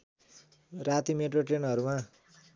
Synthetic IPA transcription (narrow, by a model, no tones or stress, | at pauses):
rat̪imeʈroʈenʌɾuma